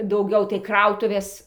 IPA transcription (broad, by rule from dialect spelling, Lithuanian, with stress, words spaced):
dɐʊˈɡʲɛʊ tɐɪ ˈkrɐʊtʊʋʲeːs